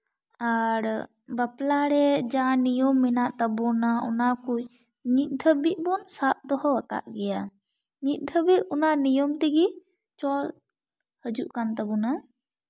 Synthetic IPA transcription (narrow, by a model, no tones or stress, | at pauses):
aɾ | baplaɾɛd͡ʒanijɔmːɛnaʔt̪abɔnaɔ̰nakuj | ɲit̪̚ˀd̪ʰʱəbiʔ̚bɔnsat̪̚d̪ɔɦɔwəka̰ʔɡɛja | ɲit̪̚ˀd̪ʱəbiʔɔnanijɔmt̪ɛɡi | t͡ʃɔ | həd͡ʒuʔkant̪abɔna